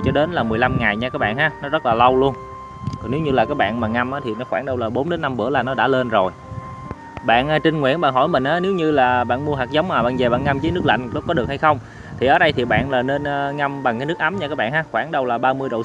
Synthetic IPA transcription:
t͡ɕɔ˧ɗe˨˦nlaː˨˩mɨ˨˩jla˧mŋa˨˩jɲaː˧kaː˦k̚ɓa̰ː˧˨nhaː˨˧˦nɔ˨˦zə˦˥t̚laː˨˩lə˧wlu˧ən | kɔ˨˩ne˨˦wɲɨ˧laː˨˩kaː˨˦j̚ɓa̰ː˧˨nmaː˨˩ŋa˧mʔaː˨˦t̪ʰi˨˩nɔ˨˦xwaː˧˩nɗə˧wlaː˨˩ɓo˨˦nɗe˨˦nːa˧mɓɨ̰˧˩əlaː˨˩nɔ˨˦ɗa̰ː˧˥le˧nzo˨˩j | ɓa̰ː˧˨nʔːt͡ɕï˧ŋ̟ŋwḭ˧˥nɓa̰˧˨nɦɔ̰˧˩jmï˨˩ŋ̟ʔaː˨˦ne˨˦wɲɨ˧laː˨˩ɓa̰ː˧˨nmu˧əɦaː˨˩k̚zə˨˦wŋ͡mmaː˨˩ɓa̰ː˧˨nze˨˩ɓa̰ː˧˨nŋa˧mzəː˨˦jnɨ˦˥ək̚la̰˧˨ŋlɔ˦˥k͡p̚kɔ˨˦ɗɨ˨˩ək̚ha˧jxə˧wŋ͡m | t̪ʰi˨˩ʔəː˨˦ɗə˧jt̪ʰi˨˩ɓa̰ː˧˨nlaː˨˩ne˧nʔŋa˧mɓa˨˩ŋkaː˨˦nɨ˦˥kʔa˨˦mɲa˧kaː˦˥k̚ɓa̰ː˧˨nhaː˨˧˦xwaː˧˩nɗə˧wlaː˨˩ɓaː˧mɨ˧əjɗo̰˧˨

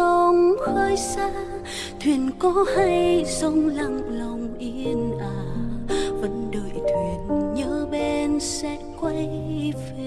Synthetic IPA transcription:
o˧˩nʔəː˧jsaː˧˥ | t̪ʰwi˨ənkɔ˨˦ha˧jsə˧ŋ͡mla˨˩ŋlə˨˩wŋ͡mʔi˧˦nʔaː˧˦ | və˨˦nɗəː˨˩˨jt̪ʰwi˨˩ənɲəː˧˦ɓe˧nsɛ̰˧˥kwa˧jfe˧

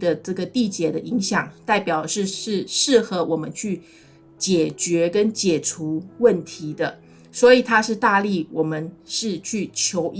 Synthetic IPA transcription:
d̪ə˨ʈ͡ʂɤ˥˩ɡə˩t̪i˥˩t͡ɕjɛ˨˩d̪ə˦ʔi˧˥ŋɕjɑ˨˩ŋt̪a˥˩ɪpjɑ˨˩ʊ˦ʂɻ̩˥˧ʂɻ̩˥˧ʂɻ̩˥˩xɤ˧˥wʔɔ˨˩mə˦nt͡ɕʰy˥˩ | t͡ɕjɛ˨˩t͡ɕɥɛ˧˥kə˦nt͡ɕjɛ˨˩ʈ͡ʂʰu˧˥wə˥˩nt̪ʰi˧˥d̪ə˧ | swɔ˧˥i˨˩t̪ʰa˥ʂɻ̩˥˧t̪a˥˧li˥˩wɔ˨˩mə˦nʂɻ̩˥˧t͡ɕʰy˥˩t͡ɕʰjo˧˥ʊ

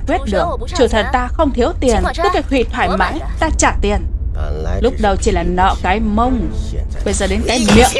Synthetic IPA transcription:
kwi˦˥t̚ɗɨ˨˩ək̚ | t͡ɕɨ˧˩t̪ʰə˨˩t̚t̪aː˧xə˧wŋ͡mt̪ʰi˨˦əwt̪i˨˩ənt̪ɨ˦˥kaː˨˦jhʰwḭ˧˨t̪ʰwaː˧˩jma̰ː˧˥jt̪aː˧t͡ɕaː˧˩t̪i˨˩ən | lʊ˦˥k͡p̚ɗə˨˧˩wt͡ɕi˧˩laː˨˩nɔ̰˧˨kaː˨˦jmə˧wŋ͡m | ɓə˧jzəː˨˩ɗe˨˦nkaː˨˦jmḭ˧˨əw

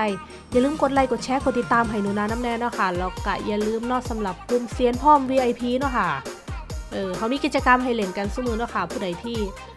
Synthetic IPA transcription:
j | ja˨˩˨lɯː˧mko˧t̪̚la˧˩jko˨˩t̪̚t͡ɕʰɛː˦˥ko˨˩t̪i˨˩t̪ːaː˧mɦa˨˩jnu˧˩˦naː˧na˦˥mnɛː˧nɔ˦˥˩kʰa˥˩la˧˩wka˧˩ja˨˩lɯː˧mnɔː˥˩k̚sa˨˦mla˨˩p̚kʰu˧˨nsi˨˧˦ənpʰɔː˥˩˨mwiː˧ʔa˧jpʰiː˧nɔ˦˥˩kʰa˥˩ | ʔɤː˧˩kʰa˨˩˦wmiː˧ki˨˩t̚t͡ɕa˧ka˧mɦa˧˩jle˨˩˦nka˧nsa˧˥˦mɯː˧nɔː˦˥˩kʰa˥˩pʰuː˧˩da˨˦jpʰiː˧˩

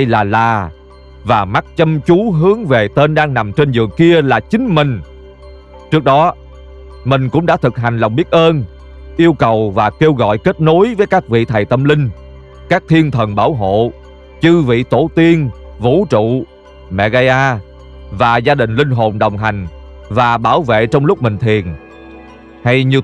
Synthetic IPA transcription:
ə˧jlaː˨˩laː˨˩ | vaː˨˩ma˦˥t̚t͡ɕə˧mt͡ɕu˨˦ɦɨ˨˦əŋve˨˩t̪e˧nɗaː˧ŋna˨˩mt͡ɕe˧nzɨ̰˧˨əŋki˧əlaː˨˩t͡ɕï˨˦ŋ̟mï˨˩ŋ̟ | t͡ɕɨ˦˥k̚ɗɔ˨˦ | mï˨˩ŋ̟kʊ̰˧˥ŋ͡mɗa̰ː˧˥t̪ʰɨ˨˩k̚ɦa˨˩jŋ̟la˨˩wŋ͡mɓi˦˥t̚ʔəː˧n | ʔi˧əwkə˨˩wvaː˨˩ke˧wɣɔ̰˧˨jke˦˥t̚no˨˦jvəː˨˦jkaː˦˥k̚vḭ˧˨t̪ʰa˨˩jt̪ə˧mlï˧ŋ̟ | kaː˦˥k̚t̪ʰi˧ənt̪ʰə˨˩nɓaː˧˩wɦo̰˧˨ | t͡ɕɨ˧vḭ˧˨t̪o˧˩t̪i˧ənvṵ˧˥t͡ɕṵ˧˨ | mɛ̰˧˨ɣa˧jʔaː˧ | vaː˨˩zaː˧ɗï˨˩ŋ̟lï˧ŋ̟ɦo˨˩nɗə˨˩wŋ͡mɦa˨˩jŋ̟ | vaː˨˩ɓaː˧˩wvḛ˧˨t͡ɕɔ˧wŋ͡mlʊ˦˥k͡p̚mï˨˩ŋ̟t̪ʰi˨˩ən | ha˧jɲi˧ə

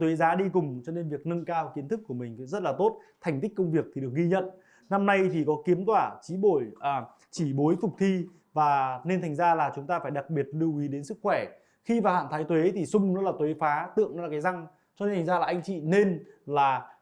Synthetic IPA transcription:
t̪we˨˦zaː˨˦ɗi˧kʊ˨˩ŋ͡mt͡ɕɔ˧ne˧nvi˨˩ək̚nə˧ŋkaː˧wki˨˦ənt̪ʰɨ˦˥kːu˧˩əmï˨˩ŋ̟kzə˦˥t̚laː˨˩t̪o˦˥t̚t̪ʰa˨˩jŋ̟i˦˥k̟kə˧wŋ͡mvi˨˩ək̚t̪i˨˩ɗək̚ɣi˧ɲə̰˧˨n | na˧mna˧jt͡ɕ̪ʰi˨˩kɔ˨˦ki˨˦əmt̪waː˧˩t͡ɕi˨˦ɓo˧˩jʔː | t͡ɕi˧˩ɓo˨˦jfʊ˨˩k͡p̚t̪ʰi˧ | vaː˨˩ne˧nt̪ʰa˨˩ŋ̟zaː˧laː˨˩t͡ɕʊ˨˦ŋ͡mt̪aː˧faː˧˩jɗa˨˩k̚ɓi˨˩ət̚lɨ˧əwʔi˨˦ɗe˨˦nsɨ˦˥k̚xwɛ˧˩ | xi˧vaː˨˩wha̰ː˧˨nt̪ʰːjt̪we˨˦t̪ʰi˨˩sʊ˧ŋ͡mnɔ˨˦laː˨˩t̪we˨˦faː˨˦t̪ɨ̰˧˨əŋnɔ˨˦aː˨˩kaː˨˦jza˧ŋ | t͡ɕɔ˧ne˧nt̪ʰŋ̟zaː˧aː˨˩ʔa˧ŋ̟t͡ɕḭ˧˨ne˧nlaː˨˩

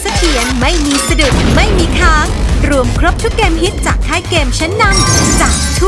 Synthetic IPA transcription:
sa˧t̪ʰi˨˩˦ənma˥˩jmiː˧sa˧du˨˩k̚ma˥˩jmiː˧kʰaː˦˥ŋɾu˧əmkʰɾo˦˥p̚t̪ʰu˦˥kːeː˧mɦi˦˥t̪̚t͡ɕaː˨˩k̚t̪ʰaː˦˥jkeː˧mt͡ɕʰa˦˥nːaː˧nt͡ɕaː˨˩ | t̪ʰu˥

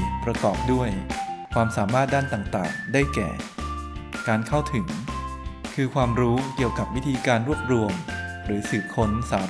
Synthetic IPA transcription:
pɾa˧kɔː˨˩p̚du˥˩əjkʰwaː˧msaː˩˦maː˥˩t̪̚daː˥˩nt̪aː˨˩ŋt̪a̰ː˨˩ŋdaː˥˩jkɛ̰ː˨˩ | kaː˧nkʰa˥˩wt̪ʰɯ˩˦ŋ | kʰɯː˧kʰwaː˧mɾuː˦˥ki˨˩əwka˨˩p̚wi˦˥t̪ʰiː˧kaː˧nɾu˥˩əp̚ɾu˧əm | ɾɯː˩˦sɯː˨˩p̚kʰo˦˥nsaː˨˩˦

